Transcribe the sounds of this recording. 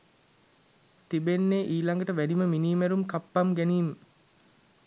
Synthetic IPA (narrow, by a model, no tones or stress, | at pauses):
t̪ibenːeːʔiːlaŋɡəʈəʋæniməminiːmæɾumkapːamɡæniːmə